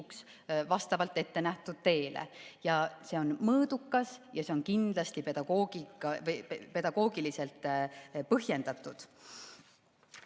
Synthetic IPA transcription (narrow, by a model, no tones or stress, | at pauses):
uks | vɑst̪ɑvɑlt̪ːˑe̞t̪ːe̞næht̪ud̪̥t̪e̞ːlḛjɑse̞o̞nmɤːd̪ukːɑsjɑse̞o̞nkind̪lɑst̪ipe̞d̪̥ɑɡ̥oːɡikɑpe̞d̪ɑɡ̥o̞ːɡ̥ilise̞lt̪ːˑpɤɦje̞nd̪̥ɑt̪ːˑud̪̥